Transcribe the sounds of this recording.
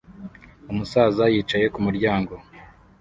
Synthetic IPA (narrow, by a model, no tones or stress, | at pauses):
umusaːzajiːt͡ʃaje̞kumuɾɟaːŋɡo̞